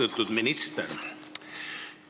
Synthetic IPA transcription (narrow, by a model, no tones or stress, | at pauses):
et̪ːud̪minist̪ḛɾ